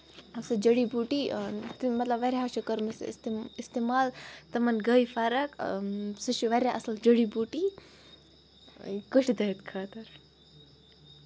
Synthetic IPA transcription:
ɐsɐd͡ʒɐɽibuʈit̪mɐt̪lɐbʋɐɾʲaɦaʃɐkɐɾmɐsst̪ist̪emaːlt̪ɐmɐnɡɐjfaɾɐksɨʃuʋɐɾʲjaʔɐsɐld͡ʒəɽibuʈi | ikəʈid̪ɐit̪kʰaːt̪ɐɾ

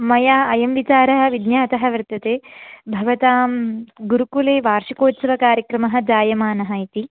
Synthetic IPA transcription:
mɐjaːɐjɐmʋit͡ʃaːɾɐɦɐ̆ʋid̪njaːt̪ɐɦɐʋɾɪt̪ːɐt̪eːbʱɐʋɐt̪aːmɡuɾukuleːʋaːɾʂikoːt̪sɐʋɐkaːɾjɐkɾɐmɐɦɐ̆d͡ʒaːjɐmaːnɐɦɐit̪i

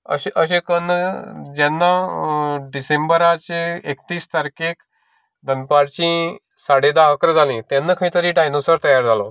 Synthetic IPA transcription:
ə̰ɕʔəɕẽkənd͡ʑɛnːa | ɖisembəɾat͡ɕeekt̪iːst̪əɾkek | d̪ʱənpaɾt͡ɕĩ | saɽed̪akɾd͡zalĩt̪ɛnːakʰəĩt̪əɾĩʈajnosəɾt̪əjaɾd͡zʱalɔ

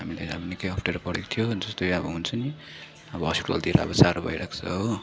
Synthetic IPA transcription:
ɦamila̰ja̰bʌnikejɦʌpʰʈeɾpʌɽekt̪ʰijod͡zʌst̪ojabʌɦunt͡sʰʌni | ʌbʌɦʌspiʈʌ̰ld̪iɾʌ̰bʌsaɾobʱʌ̰jɾakʰt͡sʰʌɦow

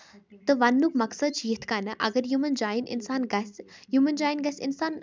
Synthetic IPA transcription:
t̪ɐʋɐnːukmɐksɐd̪̚t͡ʃit̪ʰkanɐʔɐ̰ɡəɾjumənd͡ʒaːjinɪ̰nsaːnɡɐsjumənd͡ʒaːjinɡɐsɪnsaːn

